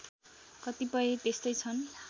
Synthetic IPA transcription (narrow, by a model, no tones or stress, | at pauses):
kʌt̪ipʌjet̪est̪ʌjt͡sʰʌn